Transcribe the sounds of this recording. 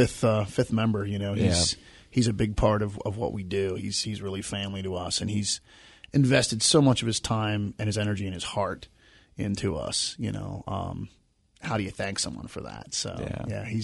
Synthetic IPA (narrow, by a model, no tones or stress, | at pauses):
ɪθʌfɪθmɛ̃mbə˞jɨnoʊiz̥ | hizɨbɪɡ̚pʰɑɹɾʌvʌ̰vwʌ̰ʔwidʉḭz̥hizɹɪlˠifæ̃mliɾəʌsɨ̃niz̥ | ʔɨ̃ɱvɛstɨd̥soʊmʌt͡ʃʌv̥ɨz̥tʰãɪ̃mɨ̃nɨzɛnə˞d͡ʒiɨ̃nɨz̥hɑɹɾ | ɪ̃ntʰʉʌ̰sjɨ̰ño̰ʊʌ̰̃m | haʊɾɨjɨθæ̃ŋksʌ̃mwʌ̰̃nfə̰˞ðæ̰tso̰ʊ̰jæ̰iz